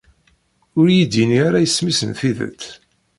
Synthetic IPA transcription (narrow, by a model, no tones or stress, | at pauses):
ʊɾjid̪iniaɾajəsːmisənθiðə̰t͡s̪ː